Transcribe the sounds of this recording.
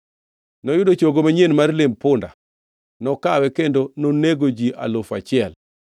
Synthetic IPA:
nɔjʊdot͡ʃoɡomaɲenmarlɪmpʊnda̰ | nɔkawɛkendononeɡod͡ʒiʔa̰lofat͡ʃɪɛl

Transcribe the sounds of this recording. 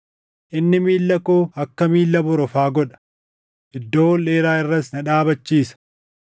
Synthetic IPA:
ʔɪnːɪmiːlːɐkoːɐkːɐmiːlːɐbɔɾɔfaːɡɔᶑɐ̥ | ʔɪd̪ːo̞ːleːɾaːɪrːɐsnɐᶑaːbɐt͡ʃːiːsɐ̥

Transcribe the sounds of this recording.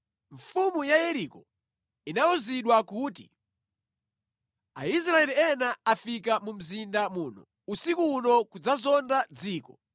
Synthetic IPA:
ɱfumujajɛɾikɔ | inaɔziɗwakuːtḭ | ais̬ɾaɛliɛnaafik̬amum̩zindamuːnɔ̰ | usikunɔkud͡zazɔndad͡ziːkɔ

